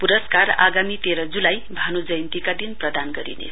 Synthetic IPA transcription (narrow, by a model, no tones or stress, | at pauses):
puɾʌskara̰ɡamit̪eɾʌd͡zulajbʱanud͡zʌjnt̪ikad̪inprʌd̪anɡʌɾḭnḛ